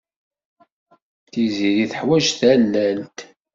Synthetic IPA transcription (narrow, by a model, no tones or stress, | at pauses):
θiziɾiθəħwæʒθælːælt̪